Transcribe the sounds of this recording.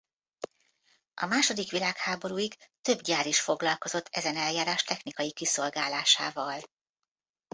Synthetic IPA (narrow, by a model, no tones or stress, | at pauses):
ɒ̰maːʃo̞d̪ikʋilaːkhaːbo̞ɾuːikt̪ø̞bɟaːɾiʃfo̞ɡlɒlko̞zo̞t̪ʰːɛzɛnɛljaːɾaːʃt̪ɛxnikɒjikiso̞lɡaːlaːʃaːvɒl